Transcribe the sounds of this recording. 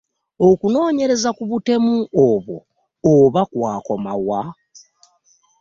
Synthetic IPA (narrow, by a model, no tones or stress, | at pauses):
okuno̞ːɲe̞ɾe̞zakuβute̞muoβwo̞̰ː | βakwaːko̞ma̰wa